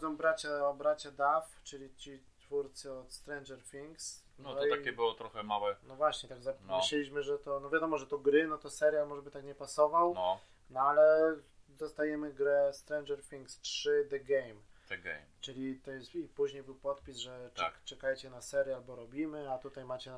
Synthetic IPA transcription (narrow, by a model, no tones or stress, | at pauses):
d̪zɔ̃w̃bɾat͡ɕabɾat͡ɕad̪aft͡ʂɘlʲit͡ɕit̪fuɾt̪sɘɔt̪st̪ɾɛjnʐɛɾfʲiŋksnɔit̪akʲɛbɨwɔt̪ɾɔxɛmawɛnɔvwaɕɲɛt̪aɡzanɔɨɕɛlʲiɕmɘʐɛt̪ɔnɔvʲjad̪ɔmɔʐɛt̪ɔɡɾɘnɔt̪ɔsɛɾjalmɔʐɛbɘt̪akɲɛpasɔvawnɔ | nɔalɛd̪ɔst̪ajɛmɘɡɾɛst̪ɾɛjnd͡ʒɛɾfʲiŋkstʂɘd̪ɛɡɛjmɛɡɛ̰mt͡ʂɘlʲit̪ɔjɛsipuʑɲejbɘwpɔt̪pʲisʐɛt͡ʂɛkajɛt͡ɕɛnasɛɾʲjɛalbɔɾɔbʲimɘat̪ut̪ajmat͡ɕɛ